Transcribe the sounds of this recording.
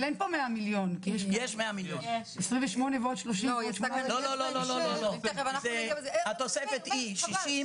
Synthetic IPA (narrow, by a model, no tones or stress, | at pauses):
lenpomeamiljo̞nkijeʃjeʃmeamiljonesʁĩɱveʃmonevot̪ʃloʃiojeaalolololloolovanazehat̪osefet̪iʃiʃi